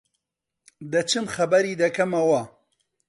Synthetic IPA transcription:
d̪ɐt͡ʃʰɨmxɐbɐɾiːd̪ɐkɐmɐwɐ

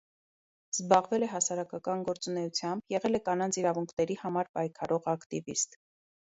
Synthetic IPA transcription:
z̥bɑʁvɛlɛɦɑsɑɾɑkɑkɑnɡɔɾt͡sunɛjut͡sʰjɑmbjɛʁɛlɛkɑnɑnt͡sʰiɾɑvuŋkʰnɛɾihɑmɑɾpɑjkʰɑɾɔʁɑkt̪ivḭst̪

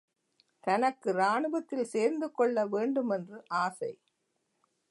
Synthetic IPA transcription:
t̪ɐnɐkːɯɾaːɳɯʋɐt̪ːɪlseːɾnd̪ɯkɔɭːɐʋeːɳɖɯmɛndrɯʔaːsɐɪ

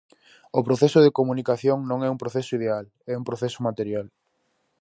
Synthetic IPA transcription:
ʊpɾoθɛsʊðekomunikaθjoŋnõŋɛũmpɾoθɛsʊiðeal | ɛũmpɾoθɛsʊmat̪eɾjal

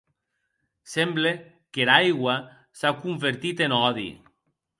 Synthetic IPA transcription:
semble | keɾajɣwa | sakuɱfeɾt̪it̪enɔðḭ

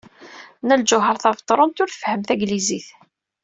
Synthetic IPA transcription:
næld͡ʒʊɦəɾˤθɑvt̪ˤːɾˤont̪ʊɾθə̥fhəmθæɡliziθ

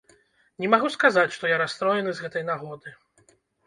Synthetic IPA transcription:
nʲɛmaɣuskazat͡sʲʂt̪ɔjaɾast̪ɾɔjɛnɨzɣɛt̪ɐjnaɣɔd̪ɨ

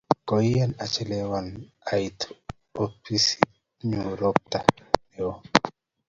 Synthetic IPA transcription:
kɔianat͡ʃɛlɛwan | ajt | opisi | ɲuɾɔp̚tajo

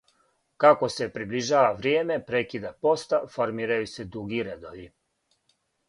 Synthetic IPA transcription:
kako̞se̞pɾibliʒaːʋaʋɾjeːme̞pɾekid̪apo̞st̪afo̞ɾmiːɾajuse̞d̪uɡiɾed̪o̞ʋi

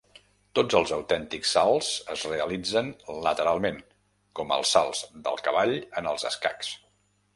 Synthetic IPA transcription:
t̪od͡zəlˠzəwt̪ɛnt̪iksːalˠz̥əzreəlid͡zənlət̪əɾalˠmen | kɔmə̰lˠsalˠz̥d̪ə̰lˠkəβaʎənəlˠzə̰ska̰ks

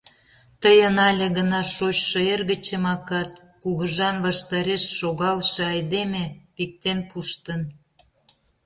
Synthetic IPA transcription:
t̪əjənɑlʲĕɣənɑʃot͡ɕʃəerɣə̆t͡ɕəmɑkɑt̪̚ | kuɣəʒɑnβɑʃt̪ɑɾeʃːoɣɑlʃĕɑjd̪emepik̚t̪enpuʃt̪ən

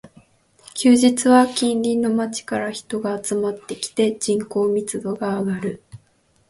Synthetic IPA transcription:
kʲɨːʑit͡sɨβakʲĩnɾʲinːo̞mat͡ɕi̥kaɾaçi̥t̪o̞ɡaːt͡sɨmat̪ːe̞kʲi̥t̪e̞d͡ʑĩŋko̞ːmʲit͡sɨd̪o̞ɡaːɡaɾɯ̟

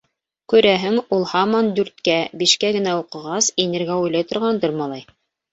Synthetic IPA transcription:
kʉɾæɦɘŋulˠhɑmɑnd̪ʉɾt̪kæbiʃkæɡɘ̆næuqɤ̆ʁɑsinɘ̆ɾɡæujlˠɑjt̪ŏɾʁɑnd̪ɤɾmɑlˠɑj

